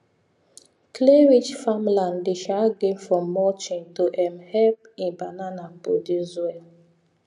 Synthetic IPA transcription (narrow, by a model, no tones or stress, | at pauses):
kleɹid͡ʒfamlãndeʃaɡẽnfɔ̃mːɔt͡ʃĩntoʔɛ̃mhɛp̚ĩnbananapo̰dizwɛl